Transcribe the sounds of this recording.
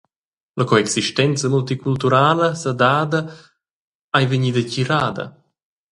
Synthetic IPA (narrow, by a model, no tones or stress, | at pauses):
lɐkoɛksiʃt̪ɛnt͡səmult̪ikult̪uɾaːləsɐd̪aːd̪ə | ajveɲid̪əciɾaːd̪ɐ̰